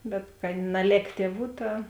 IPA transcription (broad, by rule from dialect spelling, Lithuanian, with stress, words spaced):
bʲɛt kɐt nɐˈlʲeːk ˈtʲiɛˌʋuː ˈtɐ